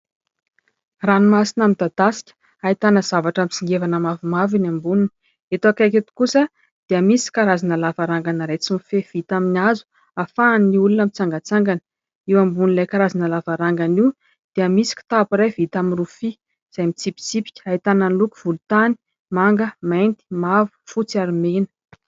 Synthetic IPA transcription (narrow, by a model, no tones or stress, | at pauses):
ranimasinamid̪̥ad̪asi̥kʲə̥ | ait̪anəz̥avaʈ͡ʂamit͡siŋɡevanamavimavinambununi̥ | et̪akaket̪u̥kusə | d̪̥eəmisi̥kaɾazinəlavaɾaŋɡanəɾet͡simifev̥it̪aminazu̥ | afaːnːiulunamit͡saŋɡat͡saŋɡan | iwambunilajkaɾazinəlavaɾaŋɡaniw | d̪̥eəmisi̥kʲi̥t̪apuɾajvit̪aminrufi | z̥ajmit͡sipi̥t͡sipi̥kʲə̥ait̪ananluku̥v̥ult̪ani̥ | maŋɡəmajnt̪i̥mavu̥fut͡siaɾimenə̥